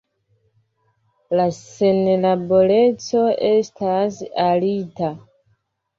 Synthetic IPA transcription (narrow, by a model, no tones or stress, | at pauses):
lase̞nlabo̞le̞t͡so̞estasalita